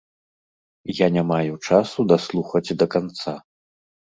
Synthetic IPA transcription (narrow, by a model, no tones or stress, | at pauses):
janʲamajut͡ʂasud̪aslˠuxɐt͡sʲd̪ɐkant̪sa